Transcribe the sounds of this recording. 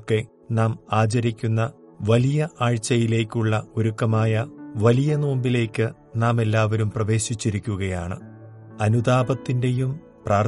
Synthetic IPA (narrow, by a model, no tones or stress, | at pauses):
kːe̞ | naːmaːt͡ɕɐɾikʲːunːɐ | ʋɐlijɐʔaːɻt͡ɕːɐjile̞ːkʲːuɭːɐoɾukːɐmaːjɐʋɐlijɐnoːmbile̞ːkʲːɨ | naːme̞lːaːʋɐɾumprɐʋe̞ːɕit͡ɕːiɾikʲːuɣɐjaːɳɨ̰ | ɐnud̪aːbɐt̪ːinde̞jum | praːr